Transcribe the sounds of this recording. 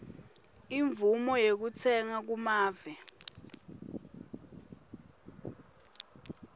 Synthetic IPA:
iɱvumɔjek̬ut͡sʰɛŋak̬umaːvɛ

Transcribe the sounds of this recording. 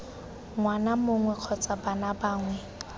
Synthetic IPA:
ŋwanamoŋwɛq͡χʰɔt͡sʼabanabaːŋwɛ

